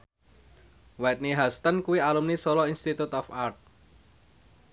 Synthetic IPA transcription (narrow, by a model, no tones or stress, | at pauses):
wɛt̪̚niɦast̪ənkuialumnisɔlɔinst̪it̪ut̪ɔfart̪̚